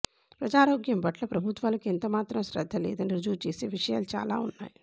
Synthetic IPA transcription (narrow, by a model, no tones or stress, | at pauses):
pɾɐd͡ʒaːɾoːɡjɐmbɐʈlɐpɾɐbʱut̪ʋaːlɐkent̪ɐmaːt̪ɾɐmʃɾɐd̪ʱːɐlɛ̰ːd̪ɐniɾud͡ʒuːt͡ʃeːseːʋiʂɐja̰ːlut͡ʃa̰ːla̰ːunːa̰ːji